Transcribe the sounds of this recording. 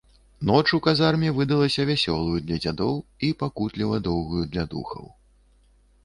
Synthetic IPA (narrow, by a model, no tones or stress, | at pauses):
nɔt͡ʂukazarmʲɛvɨd̪ɐlˠɐsʲɐvʲasʲɔlˠujud̪lʲɐd͡zʲad̪ɔwipakut̪lʲivɐd̪ɔwɣujud̪lʲad̪ṵxɐ̰w